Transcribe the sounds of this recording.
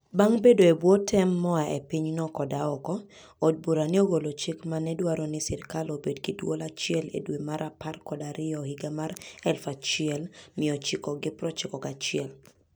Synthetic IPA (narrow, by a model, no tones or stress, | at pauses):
baŋbedoebwotʰɛmːɔaʔḛpɪɲnɔkɔdaɔkɔː | d̚buɾanɪoɡolot͡ʃɪkmanɛdwaɾɔnɪsɪɾkalobedkɪdwolat͡ʃɪɛlḛdwemaɾʔaparkɔdaɾɪɔhɪɡamaɾɛlfat͡ʃɪɛlmɪɔt͡ʃɪkɔɡɪpɾɔt͡ʃɪkɔkat͡ʃɪɛl